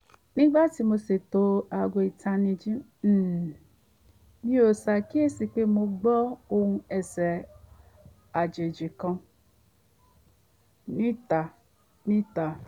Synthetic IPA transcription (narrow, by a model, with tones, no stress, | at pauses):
nĩ˦ɡ͡ba˦ti˧mo˧se˨to˨˧a˨ɡʷo˧i˨tʰa˧nĩ˧d͡ʒĩ˦˨ | nĩ˦o˨sa˧˨ki˦e˦˨si˧k͡pe˦mo˧ɡ͡bɔ˦o˧hũ˧ɛ˨sɛ˨ | a˨d͡ʒe˨d͡ʒi˨kã˧ | nĩ˦ta˨ | nĩ˦ta˨